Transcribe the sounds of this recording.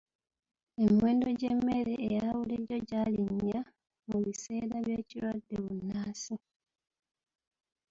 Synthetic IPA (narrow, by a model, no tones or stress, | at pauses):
e̞mwe̞ːndo̞ɟemːe̞ɾeːjaβuliɾo̞ɟaːliɲːa | muβise̞ːɾaβje̞ːcilwadːe̞βunːaːsi